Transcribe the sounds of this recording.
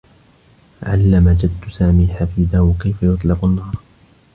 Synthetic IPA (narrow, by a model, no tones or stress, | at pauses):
ʕa̰lːamad͡ʒad̪ːsaːmiːħafiːd̪ahwakajfajʊt̪ˤlɪqʊnːɑːɾˤ